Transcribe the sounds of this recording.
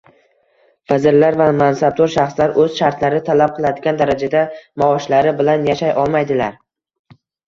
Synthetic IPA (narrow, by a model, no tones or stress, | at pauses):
vazɪɾlaɾvamansab̚d̪oɾʃaχslaɾʔɵz̥ʃaɾt̪ʰlaɾɪt̪ʰalap̚qʰɨlˠad̪ɪɡʲand̪aɾad͡ʒad̪amaɒʃlaɾɪbɪlanjaʃajʔɒlˠmajd̪ɪlaɾ